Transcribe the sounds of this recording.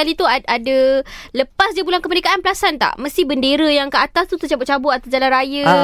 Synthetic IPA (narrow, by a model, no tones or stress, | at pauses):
alit̪uaadələpasdiəbulankəmənekaʔanpəlasant̪a̰ʔmə̃st̪ibəndeɾəjaŋkaʔat̪ast̪ut̪ut͡ʃabʊʔ̚t͡ʃabʊʔat̪asd͡ʒalanrajə